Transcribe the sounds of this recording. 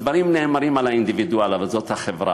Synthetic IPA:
d̪vaɾimneːmaɾimalaind̪ivid̪ualavalzo̞t̪haχevɾa̰

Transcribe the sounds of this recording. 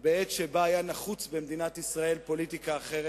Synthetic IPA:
beetʃebaːjanaχut͡sbemd̪inat̪isʁae̞lpo̞lit̪ikaːχe̞ʁe

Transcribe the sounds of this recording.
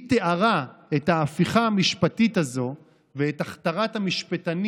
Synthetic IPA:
teʔaʁae̞t̪haːfiχaːmiʃpatitazo̞ | veetaχt̪aʁathamiʃpetan

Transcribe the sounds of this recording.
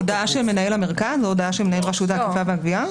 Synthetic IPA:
odaʔaʃelmenaelameʁkazlodaaʃelmenaelʁaʃut̪akifaveaɡvia

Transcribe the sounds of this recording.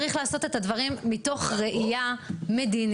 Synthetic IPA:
ʁiχlaːso̞te̞tadvaʁimːito̞χʁe̞ʔijame̞din

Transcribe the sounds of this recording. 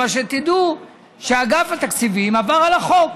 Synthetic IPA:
aʃet̪id̪u | ʃeaɡafat̪akt͡sivimavaʁalaχok

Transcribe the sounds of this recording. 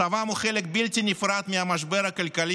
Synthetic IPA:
avamuχelek̚bilt̪inifɾat̪miamaʃbeɾakalkali

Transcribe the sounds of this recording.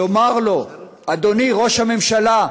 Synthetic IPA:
omaʁlo̞ | ad̪o̞niʁo̞ʃhame̞mʃala

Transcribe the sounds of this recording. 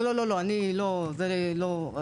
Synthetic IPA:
lololoanilod͡zəɾelo

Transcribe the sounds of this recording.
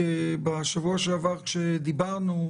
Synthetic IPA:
ebaʃavuaʃelavaʁkʃed̪ibaʁnu

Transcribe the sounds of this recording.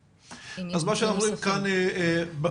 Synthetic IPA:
azmaʃeanaχolimkaneb

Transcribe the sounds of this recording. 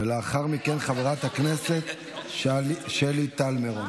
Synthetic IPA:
veleaχaʁmike̞nχaveʁat̪hakne̞se̞t̪ | ʃelit̪almeʁo

